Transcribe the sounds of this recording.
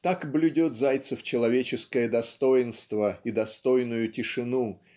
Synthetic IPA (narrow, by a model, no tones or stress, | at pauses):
t̪akblʲʊdʲot̪zajt̪səft͡ɕɪlˠɐvʲet͡ɕɪskəjəd̪ɐst̪o̞jɪnst̪vəid̪ɐst̪o̞jnʊjʊtʲɪʂɨnu